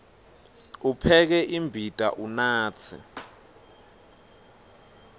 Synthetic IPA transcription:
upʰɛk̬ɛʔimbʱitʼa̰ʔunaːt͡sʰḭ

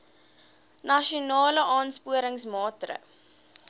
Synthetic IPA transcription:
nɐʃiunɑːləʔɑːnspuəɾəŋsmɑːtrə̰

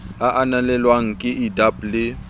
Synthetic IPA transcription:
aʔanalɛlwaŋ̩kʼɪʔidablɪ

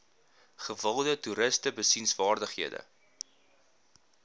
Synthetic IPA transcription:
χəvəlˠdətuɾəstəbəsinsvɑːrdəχɦiədə̰

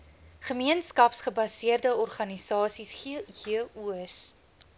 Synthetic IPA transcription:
χəmiənskɐpsχəbɐsiərdəɔrχɐnisɑːsisχiəuəs

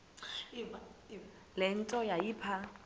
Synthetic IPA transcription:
lɪn̩tʼɔjaipʰa

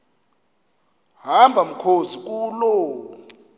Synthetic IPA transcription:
ɦambʱam̩kʰozik̬uːlɔ

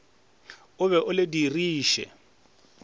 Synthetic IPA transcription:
ʊβɛʔʊlɪdiriːʃɛ̰

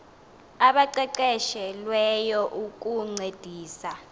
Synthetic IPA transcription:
aɓaǀɛǀɛʃɛlwɛjɔʔuk̬ʼuŋ͡ǀed̥ʱiːsa

